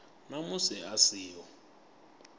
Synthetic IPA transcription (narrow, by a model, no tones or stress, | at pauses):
namusɛasiːwɔ